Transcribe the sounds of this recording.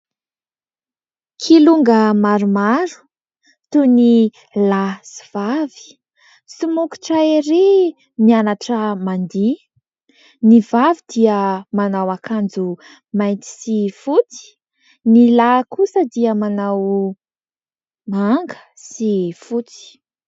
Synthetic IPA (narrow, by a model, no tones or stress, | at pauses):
kʰiluŋɡəmaɾumaɾu̥ | t̪uni | lasi̥v̥avi̥ | sumuku̥ʈ͡ʂaiɾe | nianaʈ͡ʂəmand̪i | nivavid̪iəmanawakand͡zu | majnt̪i̥sifut͡si̥ | nilakusəd̪iəmanaw | maŋɡə̥ | sifut͡si̥